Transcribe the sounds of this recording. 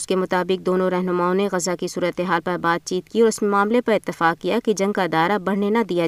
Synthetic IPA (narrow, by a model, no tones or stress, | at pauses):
ʊskemʊt̪aːbɪk̚d̪oːnõɾɛɦnʊmaːõneɣɐzakisuːɾət̪eɦaːlpɐɾbaːd̪̚t͡ʃiːtt̪kiɔːɾʊsmemaːmlepɐɾɪt̪ːɪfaːkkːijakid͡ʒɐ̃ŋɡ̚kaɪd̪aːɾabɐɽ̤nenad̪ija